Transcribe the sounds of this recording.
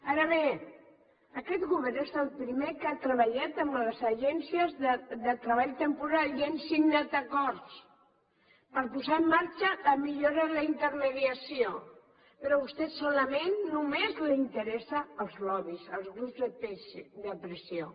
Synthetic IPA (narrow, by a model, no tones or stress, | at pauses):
aɾəβe | əkɛt̪ɣuβɛrnesəlˠpɾimekat̪ɾəβəʎat̪əmləzəʒɛnsiəzðəðət̪ɾəβaʎt̪əmpuɾalensinnat̪əkɔɾt̪s | pəɾpuzaəmːaɾt͡ʃələmiʎoɾələint̪əɾməðiəsio | pəɾɔβust̪ɛsɔləmenːumezlint̪əɾɛsəːlˠzlɔβizəlˠzɣɾubzðəped̪əpɾəsio